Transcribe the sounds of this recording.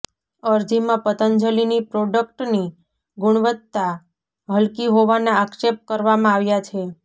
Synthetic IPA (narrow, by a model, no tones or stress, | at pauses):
əɾd͡ʒimãpət̪ənd͡ʒəlinipɾɔɖək̚ʈni | ɡʊɽ̃ʋət̪ːa | ɦəlkiɦoʋanaːkʃep̚ʈ̚kəɾʋamãaʋjat͡ʃʰe